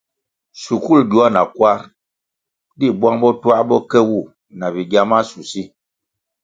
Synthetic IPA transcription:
su˨ku˦˨ldu˨˦a˦na̰˨kwa˦ɾ | di˦˨bwa˦ŋbɔ˦twa˦bɔ˦kɛ˦wu˦˨ | na˨bi˨ɡja˦ma˦su˨si˦

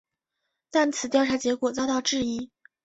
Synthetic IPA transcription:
t̪a˥˩nt͡sʰɹ̩˨˩t̪jʊʈ͡ʂʰa˧˥t͡ɕjɛ˧˥kwɔ˨˩t͡sɑ˥ʊt̪ɑ˥˧ʊʈ͡ʂɻ̩˥˩i˥

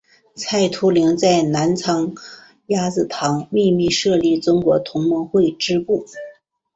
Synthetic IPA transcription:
t͡sʰa˥˩ɪt̪ʰu˥li˧˥ŋt͡sa˥˩ɪna˧˥nt͡sʰɑ˧˥ŋ | ja˥t͡sɹ̩˨˩t̪ʰɑ˧˥ŋmi˥˧mi˥˧ʂɤ˥˧li˥˩t͡sʊ˥ŋkwɔ˧˥t̪ʰʊ˧˥ŋmɤ˧˥ŋxwe˥˩ɪʈ͡ʂɻ̩˥pu˥˩

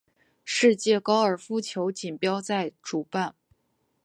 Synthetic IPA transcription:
ʂɻ̩˥˧t͡ɕjɛ˥˩kɑ˥ʊə˞˨˩fu˥t͡ɕʰjo˧˥ʊt͡ɕi˨˩npjɑ˥ʊt͡sa˥˩ɪʈ͡ʂu˨˩pa˥˩n

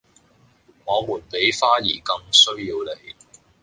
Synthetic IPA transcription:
ŋɔː˨˧muː˨˩npe˨˥jfaː˥jḭː˨˩kɐ˧ŋsɵ˥ɥjiː˧wle˨˧j

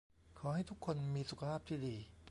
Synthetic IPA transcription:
kʰɔː˩˦ha˥˩jt̪ʰu˦˥kʰːo˧nmiː˧su˨˩kʰa˧pʰaː˥˩p̚t̪ʰiː˥˩diː˧

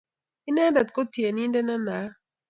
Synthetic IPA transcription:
ɪ˦na˦da˨t̪ko˦tje˨ni˦ndɛ˦na˦na˨˦

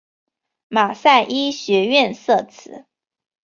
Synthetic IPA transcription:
ma˨˩sa˥˩ɪʔi˥ɕɥɛ˧˥ɥɛ˥˧nsɤ˥˩t͡sʰɹ̩˨˦

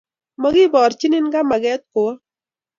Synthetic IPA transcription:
mɔ˨ɡɪ˦bɔ˨ɾt͡ʃɪ˦nɪ˦nɡa˦ma˨ɡɛ˦t̪̚kʊ˨ɔ˦

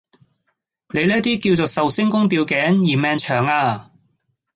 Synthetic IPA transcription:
ne˨˧jliː˥t̪̬iː˥kiː˧wt͡so˨sɐ˨wsɪ˥ŋkʊ˥ŋt̪̬iː˧wkɛː˨˥ŋjiː˨˩mɛː˧ŋt͡ʃʰœː˨˩ŋaː˧

